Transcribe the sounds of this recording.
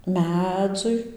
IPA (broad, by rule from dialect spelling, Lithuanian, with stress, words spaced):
ˈmʲæːd͡zʊɪ